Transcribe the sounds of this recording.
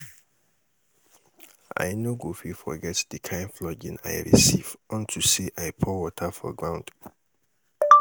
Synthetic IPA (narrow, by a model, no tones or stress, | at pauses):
a̰ɪnoɡofifɔ̰ɡɛtdikʰãɪ̃nflɔd͡ʒḭ̃na̰ɪɹḭsivɔ̃ntʰuseʔajpʰɔwɔtʰafɔ̰ɡɹãʊ̃nd